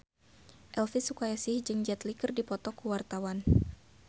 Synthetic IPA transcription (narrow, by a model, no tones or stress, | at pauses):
ʔɛlfisukajasihd͡ʒɨŋd͡ʒat̪likɨrdipɔt̪ɔkuwart̪awan